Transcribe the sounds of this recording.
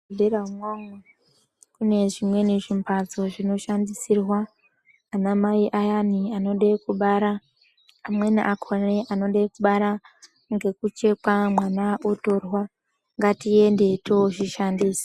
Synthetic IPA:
veɾamwoŋwe | kune̞ʐimwe̞neʐimpad͡zo̞ʐino̞ʃandisirwaː | namaiʔajaniano̞ɗakuɓaɾaː | mweniʔakʰoneʔano̞ɗakuɓaɾa | ŋɡe̞kut͡ʃe̞kamwanaʔo̞to̞rwa | ŋɡatiende̞tʰoʐiʃandiːsi̥

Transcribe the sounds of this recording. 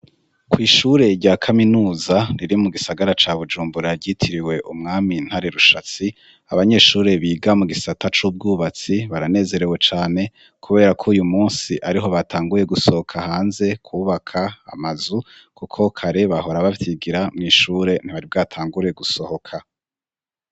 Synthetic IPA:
kʰwiːʃuːɾe̞ɾɟaːkʰaminuːzaniɾimuɡisaɡaɾat͡ʃaβud͡ʒuːmbuɾaɾɟitʰiɾiwe̞ʔumŋaːmin̥haɾe̞ɾuʃat͡si | aβaɲe̞ːʃuːɾe̞βiːɡamuɡisatat͡ʃuːb̚ɡuːβat͡siβaɾane̞ːze̞ɾe̞we̞t͡ʃaːne̞ | kʰuβe̞ːɾakʰoːjumuːnsiʔaɾiɦo̞βatʰaːŋɡuɾje̞ɡuso̞ho̞kʰahaːnze̞kʰuːβakʰa̰ːmazu | kʰukʰo̞kʰaɾe̞βaɦo̞ɾaβaβtiɡiɾamŋiːʃuːɾe̞n̥iβaɾibɡaːtʰaːŋɡuɾe̞ɡuso̞ho̞kʰa

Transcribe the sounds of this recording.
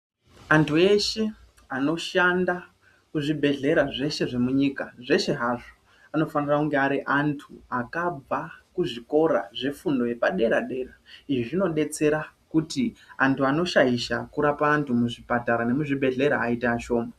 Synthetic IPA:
antʰue̞ʃe̞ | ano̞ʃanda | kuʐibʱe̞ɮe̞ɾaʐe̞ʃe̞ʐe̞muɲikaʐe̞ʃe̞ɦaʐo | ano̞fanirakuŋɡe̞aɾiʔantʰuakabʱakuʐiko̞ɾa̰ʐe̞fundo̞je̞paɗe̞ɾaɗe̞ːɾaiʐiʐino̞ɗe̞t͡se̞ɾakutiantʰuano̞ʃaiʃakuɾapaːntʰumuʐipataɾane̞muʐibʱe̞ɮe̞ɾaːitaaʃo̞ːma

